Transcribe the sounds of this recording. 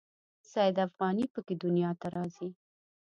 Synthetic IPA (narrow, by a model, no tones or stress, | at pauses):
sajd̪afɣɑnipəked̪ʊnjɑt̪aɾɑzi